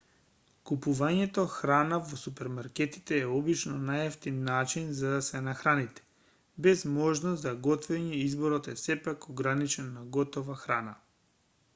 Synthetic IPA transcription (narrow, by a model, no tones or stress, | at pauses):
kupuvaɲɛt̪ɔxɾanavosupɛɾmaɾkɛt̪i̥t̪ɛːɔbit͡ʃnɔnajɛft̪inːat͡ʃinzad̪asɛnaxɾanit̪ɛ̥ | bɛzmɔʒnɔszaɡɔt̪vɛɲɛizbɔɾɔt̪ɛsɛpakɔɡɾanit͡ʃɛnːaɡɔt̪ɔvaxɾana